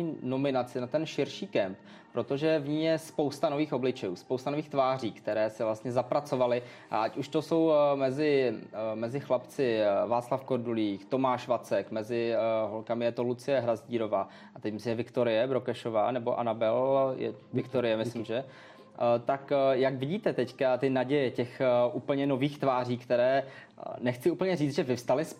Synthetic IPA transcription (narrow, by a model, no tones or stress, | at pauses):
no̞mɪnat͡sɪnat̪ɛnʃɪɾʃiːkɛmp | pɾo̞t̪o̞ʒɛvɲiːjɛspowst̪ano̞viːxo̞blɪt͡ʃɛjuːspowst̪anoviːxt̪vaːr̝iːkt̪ɛɾɛːsɪvlast̪ɲɛzapɾat͡so̞valɪ | ʔa̰ʔacuʃt̪o̞so̞wmɛzɪmɛzɪxlapt͡sɪvaːt͡slafkoɾduliːxt̪o̞maːʃvat͡sɛkmɛzɪɦolkamɪjɛt̪olut͡sɪjɛɦɾazɟiːɾo̞vaː | ʔat̪ɛcmɪslimɛvɪkt̪o̞ɾɪjɛbɾokɛʃo̞va̰ːnɛbo̞ʔa̰nabɛljɛ̰vɪkt̪oɾɪjɛmɪslɪmʒɛ | t̪akjakvɪɟiːt̪ɛt̪ɛckat̪ɪnaɟɛjɛcɛxʔuːpl̩ɲɛno̞viːxt̪vaːr̝iːkt̪ɛɾɛː | nɛxt͡sɪʔuːpl̩ɲɛriːt͡sʒɛvɪfst̪alɪs